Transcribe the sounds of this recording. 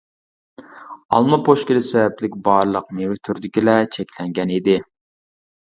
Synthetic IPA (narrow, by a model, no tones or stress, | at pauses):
ɑ̰lˠmɑpʰoʃkʲɪlɪsɛvɛplɪkʲbɑɾlˠəq̚mewɪt̪ʰyɾd̪ɪkʲilɛt͡ʃʰɛkʲlɛŋɡʲɛnid̪ɪ